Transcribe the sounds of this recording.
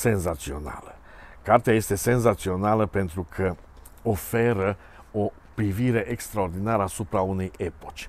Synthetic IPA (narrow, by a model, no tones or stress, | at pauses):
se̞nzat̪sio̞̰na̰lə | kart̪eaje̞st̪e̞se̞nzat̪sio̞naləpe̞nt̪ɾukʰə | ofe̞ɾə | o̞ | pɾiviɾe̞ʔekst̪ɾao̞rd̪inaɾəasupɾaune̞je̞pot͡ʃʲ